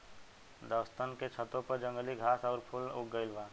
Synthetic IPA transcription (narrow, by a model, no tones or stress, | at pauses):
d̪əst̪ənket͡ʃʰət̪õpəɾd͡ʒə̃ŋɡəliɡʱaːsɔːɾpʰʊlʊk̚ɡəɪlʋaː